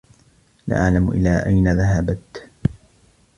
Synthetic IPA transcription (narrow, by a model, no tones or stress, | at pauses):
la̰ːʔaʕlamʔɪ̰lːaːʔajnaðaɦabat̪